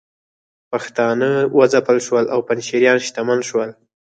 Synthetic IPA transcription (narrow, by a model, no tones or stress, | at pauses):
paxt̪ɑnəwʔəd͡zapəlʃwəlawpanʃiɾjɑnʃt̪amalʃwəl